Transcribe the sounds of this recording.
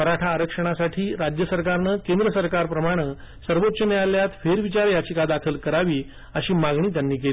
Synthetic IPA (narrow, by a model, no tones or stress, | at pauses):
əɾaʈʰaːɾəkʂəɽ̃asaʈʰiːɾad͡ʑjəsəɾkaɾnəkẽnd̪ɾəsəɾkaɾpɾəmaɽ̃ə | səɾʋot̪ːɕəmealjat̪feɾʋit͡ɕaɾjat͡ɕiːkad̪akʰəlkəɾaʋiː | əɕiːmaɡɳiːt̪̬janːiːkeli